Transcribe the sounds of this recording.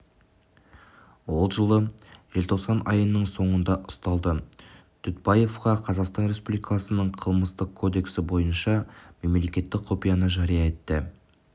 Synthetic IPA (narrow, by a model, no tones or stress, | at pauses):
wo̞lˠʒəlˠəʒ̥e̞lt̪ʰo̞qsɑnɑjənəɴso̞ɴənd̪ɑʔʊ̥st̪ɑlˠd̪ə | t̪ʰʏt̪̚bɑje̞fqɑqʰɑzɑqst̪ɑnɾe̞spublikɑsənəɴqʰəlˠməst̪əqkʰo̞d̪e̞ksɪbo̞jənʃɑme̞mle̞kʲe̞t̪ːɪk̚qʰo̞pijɑnəʒɑɾijɑe̞t̪ːə